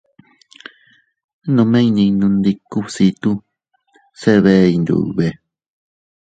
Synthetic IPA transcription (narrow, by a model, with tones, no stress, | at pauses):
nũ˧mẽ˦i˦˧nĩ˧nũ˧nd̪i˧ku˦˧si˧t̪u˦ | se˦˧βe˦˧i˧nd̪ṵ˨˧βe˧